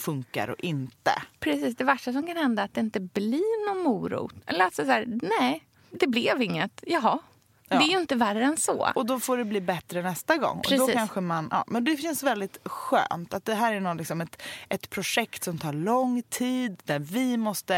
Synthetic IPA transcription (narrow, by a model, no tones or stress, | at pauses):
fɵŋka̰ɾɔ̰ʔɪnt̪ə̰pʰɾɛsiːsd̪ɛvæʂʈas̬ɔmkanhɛnd̪aːt̪̚d̪ɛɪnt̪əblinɔnmuːɾṵːt̪ʔɛ̰lːəɾat̪sɛsæːɾnɛ | d̪ɛblɛvɪŋːət̪jɑɦɑ | dɛæɾjəɪnt̪əværːəɛnsɔ̰ɔd̪ɔfoːɖɛbliːbɛt̪ɾənɛst̪aɡɔ̰ŋːɔ̰ɾɛd̪ɔiːkanɧəmanʔɑ̰ːmɛnd̪ɛfɪnsvɛld̪ɪt̪ɧø̰ːnt̪at̪̚d̪ɛɦæːɾæɳɔnlɪksɔmɛt̪ʔɛt̪pʰɾʊʂɛkt̪sɔmt̪ʰɑːɾɭɔŋt̪ʰiːd̪d̪æɾvɪmɔst̪ə